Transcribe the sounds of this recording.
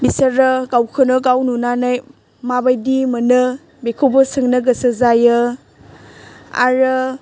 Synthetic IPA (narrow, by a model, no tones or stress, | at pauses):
bisəɾɯɡawkʰɯnɯɡawnunanaj | mabajdimɯnɯ | bekʰobəsɯŋnɐɡɐsɯzajɯ | a̰ɾɯ